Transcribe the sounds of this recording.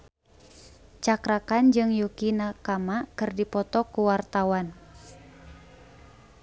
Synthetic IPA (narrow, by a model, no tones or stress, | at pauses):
t͡ʃakɾakand͡ʒɨŋjukinakamakɨrdipɔt̪ɔkuwart̪awan